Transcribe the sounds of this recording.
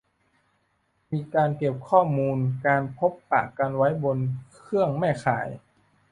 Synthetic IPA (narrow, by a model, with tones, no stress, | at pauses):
miː˧kaː˧nke˨˩p̚kʰɔː˥˩muː˧nkaː˧npʰo˦˥pːa̰ː˨˩kːa˧nwa˦˥jbo˧nkʰɯ˥˩əŋmɛ˥˩jkʰa̰ː˨˩˦j